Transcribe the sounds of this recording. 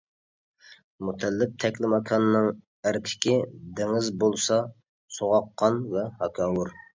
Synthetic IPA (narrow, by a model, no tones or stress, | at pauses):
mut̪ʰɛlːɪp̚t̪ʰɛkʲlɪmɑkʰɑnnːɨŋ | æɾkʲʰɪ̥kʲʰid̪ɪŋɪzbolˠsɑ | soʁɑqʰːɑnvɛhɑkʰɑːwuɾ